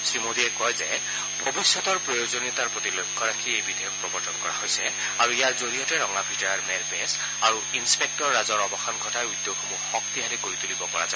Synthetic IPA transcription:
sɹimod̪ʱiɛkɔjzɛ | bʱɔbisːɔt̪ɔɹpɹɔjozoniɔt̪aɹpɹot̪ilokʰːɔɹakʰiejbid̪ʱɔjɔk̚pɹɔbɔɹtɔnkɔɹa̰ɦojsɛ | aɹuijaɹzoɹijɔtɛɹɔŋabʱitɔɹaɹmɛlpes | aɹuinspek̚tɔɹːazɔɹɔbɔxanɡʱɔtajujd̪ːokʰɔmuxɔkt̪iɦalikoɹit̪ulibɔkɔɹa̰za

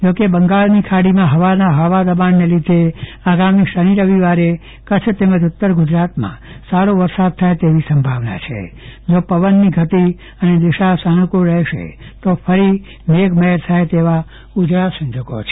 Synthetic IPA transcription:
d͡ʒokebəŋɡalnikʰaɽimãɦəʋanaɦəʋad̪əbanːelid̪ʱe | aɡamiʃəɾ̃iɾəʋiʋaɾe | kət͡ʃʰt̪eməd͡ʒʊt̪ːəɾɡʊd͡ʒɾat̪mã̰ | saɽoʋəɾsad̪̚t̪ʰajt̪eʋisəmbʱaʋna̰t͡ʃʰḛ | d͡ʒopəʋənːiɡʱət̪i | əned̪ɪʃasanukuɾɛɦʃḛt̪ofʰəɾi | meɡməɦɾt̪ʰajt̪eʋa | ud͡ʒɾasə̃ɲd͡ʒoɡo̰t͡ʃʰe

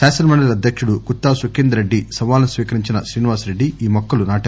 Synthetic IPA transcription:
pæːsɐlmɐɳɖɐlɐd̪ʱjɐkʂuɽukut̪ːaːsukend̪ɾeɖːisɐʋaːlɐnusʋiːkɐɾiɲt͡ʃinɐsɾiːniʋaːsɾeɖːiiːmɔkːɐlunaːʈɐ

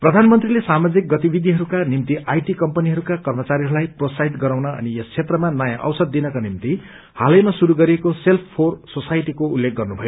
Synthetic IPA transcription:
prʌd̪ʱanmʌnt̪rilesamad͡zik̚ɡʌt̪ibid̪ʱiɦʌɾukanimt̪iʔajʈikʌmpʌniɦʌɾukakʌrmʌt͡saɾiɦʌɾulajprosaɦit̪ɡʌɾawnʌʌ̰niʌst͡sʰet̪rʌmanʌjãʔʌ̰wsʌd̪ːinʌkanimt̪i | halʌjmasuɾuɡʌɾiekoselpʰpʰorsosajʈikoulːek̚ɡʌrnubʱʌjo

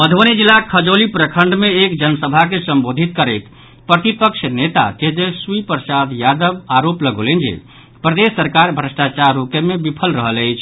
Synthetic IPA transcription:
məd̪ʱonid͡ʒilːakʰəd͡ʒolipɾəkʰəɳɖmeekd͡ʒənsəbʱakesəmbod̪ʱit̪̚kəɾet̪ | pɾət̪ipəkʃʰnet̪a̰t͡ʃeɦd̪eswipəɾsad̪jad̪əbaɾopləɡo̰lend͡ʒḛ | pɾəd̪esːəɾkaɾbʱɾəsʈat͡ʃaɾːukemebipʰəlɾəɦələjt͡ʃʰ

